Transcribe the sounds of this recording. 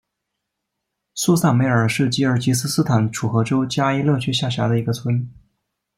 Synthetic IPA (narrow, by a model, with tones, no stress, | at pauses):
su˥˧sa˥˩nme˧˥ɪə˞˨˩ʂɻ̩˥˩t͡ɕi˥ə˞˥˩t͡ɕi˧˥sɹ̩˥sɹ̩˥t̪ʰa˧˩˦nʈ͡ʂʰu˨˩xɤ˧˥ʈ͡ʂo˥ʊt͡ɕja˥i˥lɤ˥˩t͡ɕʰɛ˥ɕja˥˩ɕ̬ja˧˥d̪ə˧i˧˥ɡə˧t͡sʰwə˥n